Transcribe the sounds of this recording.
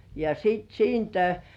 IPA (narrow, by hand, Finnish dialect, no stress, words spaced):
jɑ siːt siːntæ